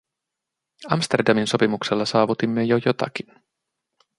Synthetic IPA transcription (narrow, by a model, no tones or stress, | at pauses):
ɑmst̪e̞rdɑminso̞pimukselːɑsɑːʋut̪imːejojo̞t̪ɑ̰k̟in